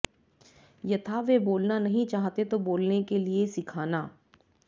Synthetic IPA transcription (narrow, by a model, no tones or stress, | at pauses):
jɐt̪ʰaʋeboːlnanɐɦĩt͡ʃaːɦt̪et̪oboːlnekeliesɪkʰaːnaː